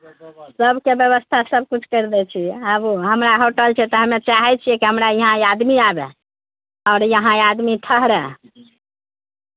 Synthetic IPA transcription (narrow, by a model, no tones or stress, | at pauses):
səbʱkebjəβəst̪ʰasəb̚kut͡ʃʰkəɾd̪ɛt͡ʃʰiəbuɦəmɾaɦoʈəlt͡ʃʰɛt̪ɔɦəmet͡ʃaɦɛt͡ʃʰijekiɦəmɾaiɦãjad̪miabḛ | ɔɾjəɦãad̪mit̪ʰəɦɾɛ